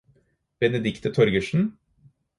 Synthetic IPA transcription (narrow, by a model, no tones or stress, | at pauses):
b̥ɛnəd̪ɪkt̪ət̪ʰɔɾɡəʃn̩